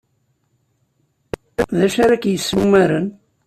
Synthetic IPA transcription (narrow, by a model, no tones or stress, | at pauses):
ðæʃaɾakjəsːumæɾən